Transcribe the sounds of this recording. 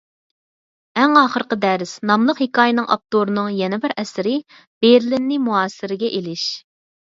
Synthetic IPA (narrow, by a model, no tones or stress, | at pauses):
ɛŋɑːχəɾqəd̪ɛɾɪsnɑmlˠəqhekʰɑːjɪnɨŋʔɑ̰p̚t̪oɾɨnɨŋjɛnɛbɪɾɛsɪɾɪ | b̥eɾlɪnːɪmuɑːsɪɾɪɡʲɛʔelɪʃ